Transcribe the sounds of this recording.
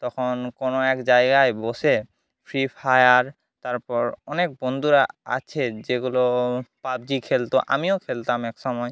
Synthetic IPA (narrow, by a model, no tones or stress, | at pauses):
t̪ɔkʰonkonoɛkd͡ʑajɡajbose | pʰɾipʰajaɾ | t̪aɾpɔɾɔnek̚bond̪ʱuɾaa̰t͡ɕʰed͡ʑeɡulopab̚d͡ʑikʰelt̪oʔamiokʰelt̪amɛkʃɔmɔj